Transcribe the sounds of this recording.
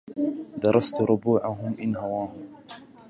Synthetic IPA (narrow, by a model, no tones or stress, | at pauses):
d̪ɑɾˤɑst̪ɾʊbuːʕaɦʊmʔɪnhawaːhʊm